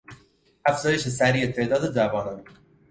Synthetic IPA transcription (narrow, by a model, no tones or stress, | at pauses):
æfz̥ɒːjeʃesæɾiːet̪ʰe̞ʔd̪ɒːd̪ed͡ʒæbɒːnɒn